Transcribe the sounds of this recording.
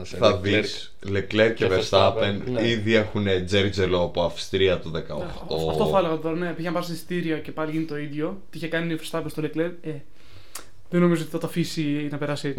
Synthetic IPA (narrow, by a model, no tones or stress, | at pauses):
θɐðis | lekleɾcevest̪ɐeniðie̞xuned͡zeɾd͡zeloɐpoɐfst̪ɾiɐt̪uðekɐoxt̪oɐft̪oelɐɣɐt̪o̞ɾɐnepiçenɐpɐsist̪iɾiɐce̞pɐliʝinit̪oid̪jo̞t̪iiçekɐniiofest̪ɐpenst̪olekle̞ɾe | ðeno̞mizoot̪iθɐt̪ɐfisinɐpe̞ɾɐsi